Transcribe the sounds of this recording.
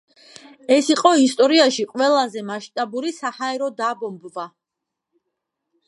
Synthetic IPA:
ɛsiqʼɔist̪ʼɔɾiaʃiqʼwɛlˠazɛmaʃt̪ʼabuɾisahaɛɾɔd̪abɔmbva

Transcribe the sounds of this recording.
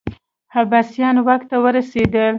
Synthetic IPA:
habasjɑnwakt̪awəɾased̪əl

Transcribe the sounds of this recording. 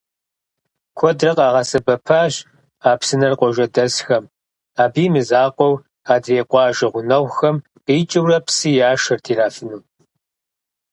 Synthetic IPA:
kʷʰɔdrɐqʼɑːʁɐsɨbɐpʰaːɕ | aːpsɨnɐrqʷɔʒɐdɐsxɐm | aːbiːmɨzaːqʷʼɔw | aːdreːqʷʼɑːʒɐʁʷʊnɐwxɐm | qiːt͡ʃʼɨwrɐpsɨjaːʃɐrtʰiːɾaːfɨnuː

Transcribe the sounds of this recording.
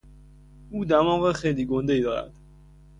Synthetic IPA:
uːd̪æmɒːɣexejliːɡond̪eiːd̪ɒːɾæ̰d̪̥

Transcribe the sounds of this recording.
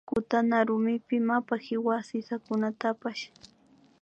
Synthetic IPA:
kʊt̪anaɾʊmɪpɪmapahɪwasɪsakʊnat̪apaʃ

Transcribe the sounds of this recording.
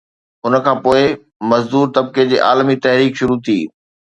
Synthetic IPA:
ʊnə̆kʰãːpoːɪ | mɐzd̪uːɾt̪ɐb̚ked͡ʑḛːʔaːlmit̪ɐɦɾiːkʃʊɾut̪ʰiː

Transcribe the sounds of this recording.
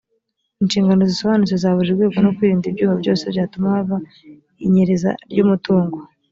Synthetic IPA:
inʃiːŋɡano̞ziso̞βanut͡sezaːβuʒiɾɡe̞ːɡo̞nokwiːɾiːndibɟuːhabɟo̞ːse̞bjaːtumahaβa | iɲeɾeza̰ɾɟumutuːŋɡo

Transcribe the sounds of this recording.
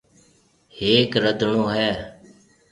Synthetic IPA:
heːkɾəd̪ʱɳoːɦɛː

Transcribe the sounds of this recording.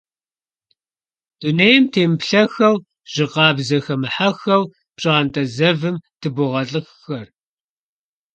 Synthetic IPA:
d̥unejɪmtʰeːmpɬɐxɐw | ʒ̥ɪqɑːbzɐxɐmɨħaxɐw | pɕʼaːntʼɐzɐvɨmtʰɨbʊʁɐɬʼɨxxɐr

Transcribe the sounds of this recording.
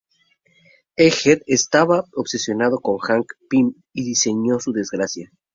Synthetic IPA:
exet̪est̪aβaoβse̞sjo̞nað̞o̞ko̞ŋxaŋkpim | iðise̞ɲo̞suðe̞zɡɾasja

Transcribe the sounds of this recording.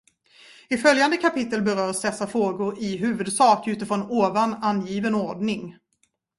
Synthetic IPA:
ɪfœljand̪əkʰapɪt̪ːəlbɛɾœːɾsd̪ɛsːafɾoːɡʊɾɪɦʉ̟ːvɵd̪sɑːkʉ̟ːt̪əfɾɔnoːvananjiːvənɔɾɖɳɪŋ

